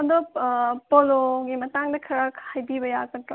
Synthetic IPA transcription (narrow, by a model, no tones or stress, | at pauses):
ndopoloɡimɐtaŋdɐkʰɐɾakhajbibɐjakɐtɾo